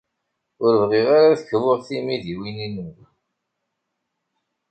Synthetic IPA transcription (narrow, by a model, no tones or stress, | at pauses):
ʊɾəvʁɪʁaɾaðəçvʊʁθimiðiwininuɾ